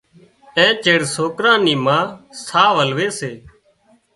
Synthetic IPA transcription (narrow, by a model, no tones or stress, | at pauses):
ẽːt͡ʃeːɽsoːkɾãːniːmãːsaːʋəlʋeːseː